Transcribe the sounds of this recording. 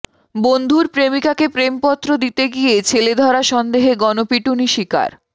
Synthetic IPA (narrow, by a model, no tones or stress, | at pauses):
bond̪ʱuɾpɾemikakepɾempɔt̪ːɾod̪it̪eɡiet͡ɕʰeled̪ʱɔɾaʃɔnd̪eɦeɡɔnopiʈuniʃika̰ɾ